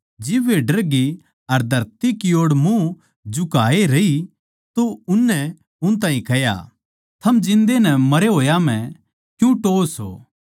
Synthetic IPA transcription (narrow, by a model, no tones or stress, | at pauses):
d͡ʒɪbʋeɖɐɾɡi | ɐɾd̪ʱɐɾt̪ikioːɽmũ | d͡ʒʊkaːeɾɐi | t̪oʊnːɛ | ʊnt̪̬ãːɦĩkɐja̰ | t̪ʰɐmd͡ʒɪ̃nd̪enɛmɐɾeɦoːjam̤ɛ̃ | kjũʈoːso̰ː